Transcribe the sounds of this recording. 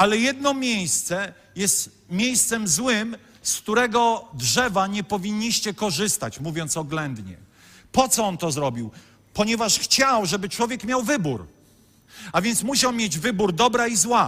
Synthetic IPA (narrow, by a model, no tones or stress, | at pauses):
alɛjɛd̪̚nɔmʲjejst̪sɛ | jɛst̪ | mʲjejst̪sɛmzwɘm | skt̪uɾɛɡɔdʐɛvaɲɛpɔvʲiɲːiɕt͡ɕɛkɔʐɘst̪at͡ɕmuvʲjɔnt̪sɔɡlɛnd̪ɲɛ̰ | pɔt̪sɔɔnt̪ɔzɾɔbʲiw | pɔɲɛvaʂxt͡ɕawʐɛbɘt͡ʂwɔvʲjɛkmʲjawvɘbuɾ | avʲjɛnt̪smuɕawmʲjed͡ʑvɘbuɾd̪ɔbɾaizwa